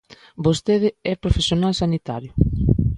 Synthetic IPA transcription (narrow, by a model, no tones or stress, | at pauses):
bost̪eðɪɛpɾofesjonalsanit̪aɾjʊ